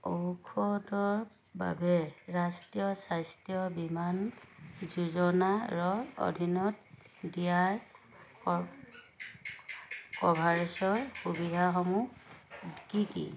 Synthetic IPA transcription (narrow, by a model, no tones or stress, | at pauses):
owkʰɔdɔɹ | ba̰bɛɹastijɔsajstijɔbimanzuzɔnaɹɔo̰dʱinɔt̚ | dijaɹ | ɔ | kɔbʱaɹisɔɹxubidʱaxɔmudkikḭ